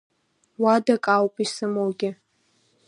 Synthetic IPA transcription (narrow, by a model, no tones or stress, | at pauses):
wadakʼawpʼisɨmowɡʲɪ